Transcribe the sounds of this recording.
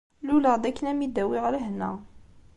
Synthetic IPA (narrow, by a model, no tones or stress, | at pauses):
luləʁd̪ækːənæmid̪æwiʁɾəɦnːæ̰